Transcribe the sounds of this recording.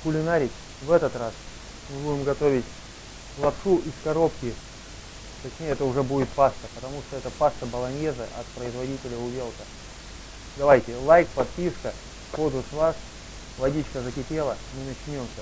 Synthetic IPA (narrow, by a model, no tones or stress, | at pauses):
kʊlʲɪnaɾʲɪtʲ | vɛt̪ət̪ras | mɨbudʲɪmɡɐt̪o̞vʲɪtʲ | lˠɐpʂuʔɪskɐɾo̞pkʲɪ | t̪ɐt͡ɕnʲejɛt̪əʊʐɛbudʲɪt̪̚past̪əpət̪ɐmuʂt̪oɛt̪əpast̪əbəlˠɐnʲe̞zɨʔɐ̰t̪pɾəɪzvɐdʲitʲɪlʲəʊvʲe̞lˠkə | d̪ɐvajtʲɪlˠajkpɐt̪̚pʲiskə | pozʊsvˠas | vɐdʲit͡ɕkəzəkʲɪpʲe̞lˠəmɨnɐt͡ɕnʲo̞msʲə